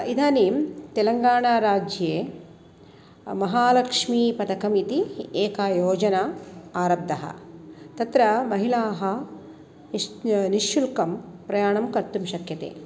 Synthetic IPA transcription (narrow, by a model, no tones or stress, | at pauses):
id̪ʱaːnimt̪elɐŋɡaːɳaːɾaːd͡ʒjeː | mɐɦaːlɐkʂmiːpɐt̪ɐkɐmit̪ieːkaːjoːd͡ʒɐnaaːɾɐb̚d̪ɐɦɐ̰t̪ɐt̪ɾɐmɐɦilaːɦɐ | niʃjulkɐmpɾɐjaːɳɐmkɐɾt̪ːumʃɐkjɐt̪ḛː